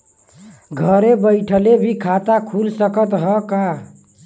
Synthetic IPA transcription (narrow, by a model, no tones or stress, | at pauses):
ɡʱəɾebəɪʈʰəlebʱikʰat̪akʰulsəkət̪ɦəka